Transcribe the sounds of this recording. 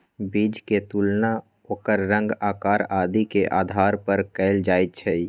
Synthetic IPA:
biːd͡ʒket̪uːlna | oːkəɾːə̃ŋɡaːkaːɾaːd̪ikeʔaːd̪ʱaːɾpəɾkɛɪld͡ʒaːit̪̚t͡ʃʰɛi

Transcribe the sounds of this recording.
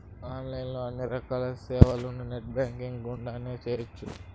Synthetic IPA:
aːnlɐjnloːɐnːiɾɐkaːlɐsɛːʋɐlununeʈ̚baːŋkiŋɡɡuɳɖaːneːt͡ʃeːjɐt͡ʃːu

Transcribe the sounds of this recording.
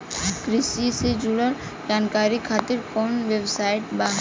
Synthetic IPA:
kɾisised͡ʒuɽəɾ | d͡ʒankaɾikʰat̪iɾkɔnʋebsaiʈba

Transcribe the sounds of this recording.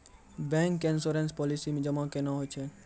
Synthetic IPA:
bɛ̃ŋkːẽnsoɾẽnspɔːlisimẽd͡ʒəmãkenaɦot͡ʃʰe

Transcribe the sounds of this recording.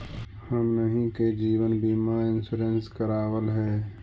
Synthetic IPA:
həmnəɦĩked͡ʒiːwənbiːmaːɾɪ̃nsʊɾẽnskəɾaːwəlɦɛː

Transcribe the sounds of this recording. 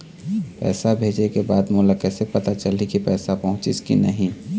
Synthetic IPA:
pɛ̰ːsabʱeːd͡ʒekebaːd̪moːlakɛːsepɐt̪at͡ʃəlikipɛːsapɐɦʊ̃t͡ʃɪ̰skḭnəɦĩ

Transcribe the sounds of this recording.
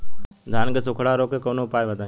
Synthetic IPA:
d̪ʱaːnɡəsʊkʰɽaːɾoːkeːkoːnoːpaːjʋəd̪ãː

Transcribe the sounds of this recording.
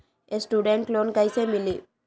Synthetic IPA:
esʈuɖeɳʈlonkajsemili

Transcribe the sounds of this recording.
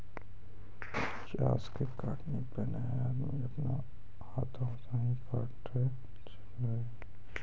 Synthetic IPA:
t͡ʃa̰ːskekaːʈnipena | aːd̪mĩɐpna̰ | haːt̪ʰãt̪aɦĩkʰaːʈ | e | t͡ʃə̥le

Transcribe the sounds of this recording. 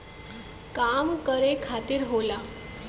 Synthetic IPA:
kamkəɾekʰat̪iːɾɦola

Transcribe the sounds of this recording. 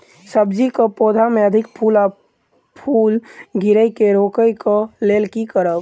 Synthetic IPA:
səb̚d͡ʒikopoːd̪ʱameəd̪ʱɪkpʰula | pʰuːlɡɪɾəjkeɾoːkəjkəleːlkikəɾəb

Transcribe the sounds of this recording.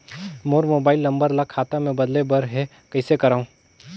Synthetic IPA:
moːɾmoːbaːɪlːɐ̃mbəɾlakʰaːt̪amẽbɐd̪lebɐɾɦɛ | kɐɪsekɐɾaːũː

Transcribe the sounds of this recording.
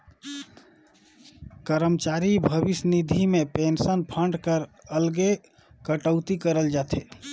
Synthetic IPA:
kəɾəmt͡ʃaɾibʱəbisnid̪ʱimepensənpʰəɳɖkəɾəlɡe | kəʈəʊt̪ikəɾəld͡ʒat̪ʰe

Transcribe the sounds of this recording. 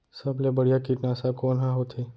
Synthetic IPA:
səblebəɽjakiʈnasakonɦãɦot̪ʰe

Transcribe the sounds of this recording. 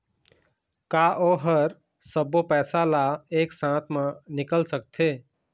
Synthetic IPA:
kaːʔoːɦəɾ | səbopɛːsalaeːksãːt̪ʰmə̃nɪkəlsək̚t̪ʰeː

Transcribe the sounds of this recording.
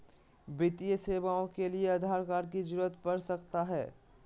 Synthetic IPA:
bɪt̪ijəseːʋaːõkelieɐd̪ʱaːɾkaːɾkid͡ʒʊɾət̪pɐɾsɐkt̪aɦɛ̰ː

